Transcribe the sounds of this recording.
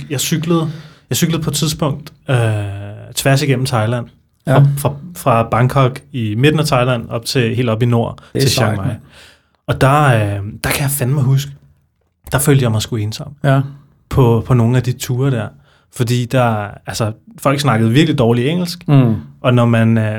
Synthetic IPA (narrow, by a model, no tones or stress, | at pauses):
jɑ̈ɪsyɡ̥ləð̩ˠjɑ̈ɪsyɡ̥ləð̩ˠpʰɒ̽t͡sʰiðˠsb̥ɔ̽ŋ̰d̥ø | t͡sʰʋæɐ̰siɡ̥en̰m̩t͡sʰɑ̈ɪlæn̰ | fʁɑfʁɑ̈b̥ɑ̈ŋkʰɒ̽ɡ̥ime̝d̥n̩æt͡sʰɑ̈ɪlæn̰ɒ̽b̥̚t͡sʰe̝he̝ːld̥ɒ̽b̥ino̝ɐ̰e̝ɕɑŋmɑ̈ɪ | ɒ̽d̥ɑ̈ød̥ɑ̈kʰæjɑ̈fænmɑ̈ɪɦusɡ̥ə | d̥ɑ̈føːld̥jɑ̈ɪmɑɪsɡ̥ue̝ːnsɒ̽m̰ | pʰɒ̽pʰɒ̽no̝ːŋ̩æd̥it͡sʰuːɐɾ̥æɐ̰ | fɒ̽d̥ḭːd̥ɑælsɒfɒl̰ɡ̥snɑ̈ɡ̥əð̩ˠʋiɐɡ̥lid̥ɒːlieŋ̰l̩sɡ̥ʔɒ̽nɒmæn